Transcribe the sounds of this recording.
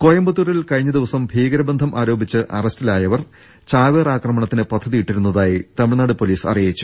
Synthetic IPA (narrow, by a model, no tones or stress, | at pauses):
koːjɐmbɐt̪ːuɾilkɐɻiɲːɐd̪iʋɐsɐmbʱiːɡɐɾɐbɐnd̪ʱɐmʔaːɾo̞ːbʱit͡ɕːɨʔɐ̰rɐstilaːjɐʋɐr | t͡ɕaːʋeːraːkrɐmɐɳɐt̪ːinɨpɐd̪ʱːɐðijiʈːiɾunːɐðaːjit̪ɐmiɻnaːɽɨpoliːsɐ̰rijɐit͡ɕːu̥